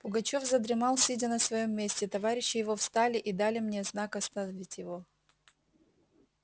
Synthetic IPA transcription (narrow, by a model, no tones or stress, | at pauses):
pʊɡɐt͡ɕo̞fzəd̪ɾʲɪmɑlˠsʲɨdʲɪnəsvɐjo̞mːʲesʲtʲɪt̪ɐvaɾʲɪɕːɪjɪvo̞fst̪alʲɪʔid̪alʲɪmnʲeznakɐst̪ɐnɐvʲɪtʲjɪvo